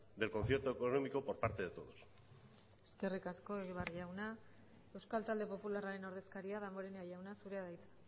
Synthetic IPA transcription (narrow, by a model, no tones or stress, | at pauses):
d̪e̞lko̞nθjeɾt̪oekonomiko̞poɾpaɾt̪e̞ðet̪o̞ðos | e̥ske̞rikasko̞e̞ɣ̞iβariʝawna | e̞wskalt̪ald̪e̞po̞pularaɾe̞no̞ɾðe̞skaɾiaðamoɾeneajawnasuɾe̞aðajt͡sḁ